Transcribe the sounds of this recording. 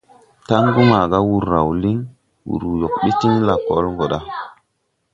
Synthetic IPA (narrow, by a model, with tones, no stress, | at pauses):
ta˦ŋɡu˦ma˨ɡa˦wu˨ɾːa˨wli˦ŋ | wṵ˨ɾu˨jo˨k̚ɓi˦ti˦nla˨ko˦lŋɡo˨ɗa˦